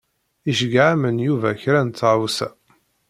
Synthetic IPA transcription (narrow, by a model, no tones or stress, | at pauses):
iʃəɡʕamənjuvæçɾænt̪ːʁwsæ